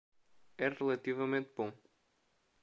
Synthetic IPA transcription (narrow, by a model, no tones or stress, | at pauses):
ɛʁɨlˠɐt̪ivɐmẽnt̪bõ